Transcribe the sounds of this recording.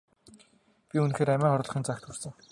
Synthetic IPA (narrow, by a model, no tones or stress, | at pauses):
pʲiunxeːɾæmʲæːχɔɾɮ̆χiːnt͡sakt̪xursɘ̆ŋ